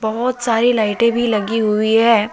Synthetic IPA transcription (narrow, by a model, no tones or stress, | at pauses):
bɐɦʊt̪saːɾilaːɪʈẽbʱilɐɡiɦʊiɦɛː